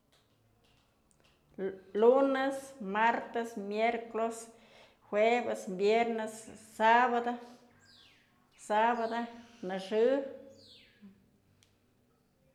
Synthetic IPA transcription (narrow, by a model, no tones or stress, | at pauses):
lunesmaɾt̪asmjeɾklos | hwebesmbjeɾnesːaβad̪o | saβad̪onaʂɨ